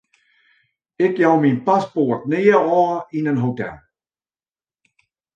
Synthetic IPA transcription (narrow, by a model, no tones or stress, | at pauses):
ɪkjawminpasport̚nɪːəɔːinənɦotɛ̰lˠ